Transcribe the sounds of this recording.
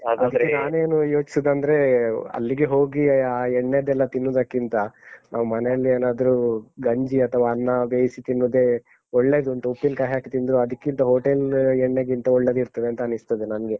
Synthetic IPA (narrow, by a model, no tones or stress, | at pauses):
ad̪ɐd̪ɐɾenaːne̞ːnujo̞ːt͡ʃi̥sid̪ɐnd̪ɐɾe̞ɐ̰lːiɡeɦo̞ːɡiaːɛɳːed̪ɛlːɐt̪inːud̪ɐkːint̪ɐnʔaːʋɐmɐneɐlːieːnaːd̪ɐɾuɡɐɲd͡ʒiɐt̪ʰɐʋaːnːɐbeːjsit̪inːud̪e̞ | oɭːe̞ːd̪uɐnt̪ɐupːinkaːɦjaːkit̪ind̪ɾuɐd̪ɐkːint̪ɐɦoːʈelɛɳːeɡint̪ɐɔɭːe̞d̪iɾt̪ɐd̪eɐnt̪ɐnist̪ɐd̪enɐnɡe